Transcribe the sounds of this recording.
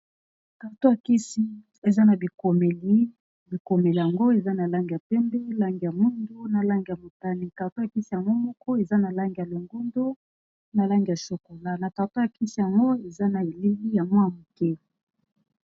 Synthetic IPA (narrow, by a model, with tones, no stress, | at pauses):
ka˨to˦ja˨ki˦si˦ | e˨za˦na˨bi˨ko˨me˨li˦ | bi˨ko˨me˨li˨a˨ŋɡo˦e˨za˦na˨la˦ŋɡi˨ja˨pɛ˦mbɛ˦la˦ŋɡi˨ja˨mu˦ndo˦na˨la˦ŋɡi˨ja˨mo˨ta˦ni˨ka˨to˦ja˨ki˦si˦˨ja˨ŋɡo˦mɔ˦kɔ˦e˨za˦na˨la˦ŋɡi˨ja˨lo˨ŋɡo˦ndo˦ | na˨la˦ŋɡi˨ja˨so˨ko˨la˦na˨ta˨to˦ja˨ki˦si˨ja˨ŋɡo˦e˨za˦na˨e˨li˦ɡi˦ja˨mwa˦˨mo˨kɛ˦